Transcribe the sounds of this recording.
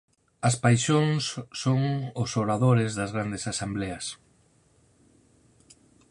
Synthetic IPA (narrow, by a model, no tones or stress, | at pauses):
ɐspajʃoŋsːoŋʊsoɾaðoɾɪzðɐzɣɾand̪esasembleɐs